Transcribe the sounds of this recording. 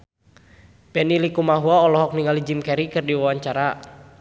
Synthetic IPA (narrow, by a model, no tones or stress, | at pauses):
pɛnilikumaɦuaɔlɔɦɔk̚niŋalid͡ʒimkɛɾikɨrdiwawaɲt͡ʃaɾa